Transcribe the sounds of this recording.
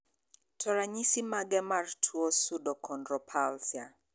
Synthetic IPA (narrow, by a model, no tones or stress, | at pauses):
tʰɔɾaɲisimaɡɛmartʰuɔsudɔkʰɔndɾɔpʰalsja